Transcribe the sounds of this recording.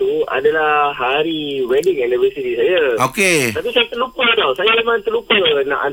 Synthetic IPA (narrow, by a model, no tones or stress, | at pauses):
t̪ua̰dalaɦaɾiwɛdɪŋanivəsit̪isajaoket̪apisajat̪əlupədawsajaemãnt̪əlupənã̰ʔa